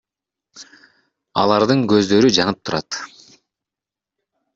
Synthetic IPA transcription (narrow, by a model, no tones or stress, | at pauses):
ɑ̰lˠɑɾd̪ɯŋɡø̞zd̪ø̞ɾyd͡ʒɑnɯp̚t̪ʰuɾɑt̪